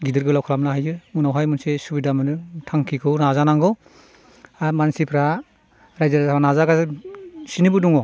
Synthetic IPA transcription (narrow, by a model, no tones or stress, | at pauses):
ɡidɯɾɡɯlawkʰalamnaɦajd͡ʒɯmunawɦajmunsesubidamɯnɯtʰaŋkʰikʰɯwnazanaŋɡɯ | amansipʰɾa | ɾajzaɾaanazaɡa | sinɯbɯduŋɔ